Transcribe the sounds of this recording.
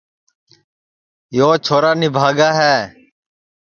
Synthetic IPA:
joːt͡ʃʰoːɾaːnɪbʱaːɡaːɦɛː

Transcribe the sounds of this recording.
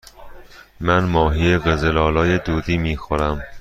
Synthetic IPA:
mænmɒːɦieɣezelɒːlɒːjed̪uːd̪iːmiːxoɾæm

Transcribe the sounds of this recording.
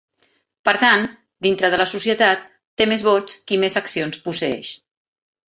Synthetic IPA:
pəɾt̪an | d̪int̪ɾəð̞ələsusiət̪at̪̚ːemezβɔt͡skimezəksionspusəɛ̰ʃ

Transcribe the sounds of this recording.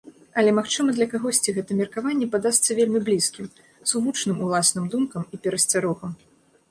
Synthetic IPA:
ɐlʲɛmaxt͡ʂɨmɐd̪lʲɐkaɣɔsʲt͡sʲiɣɛt̪ɐmʲɛrkavanʲːɛpad̪ast̪sɐvʲelʲmʲiblʲiskʲim | zuvut͡ʂnɨmulˠasnɨmd̪umkɐmipʲɛɾɐsʲt͡sʲaɾɔɣɐm

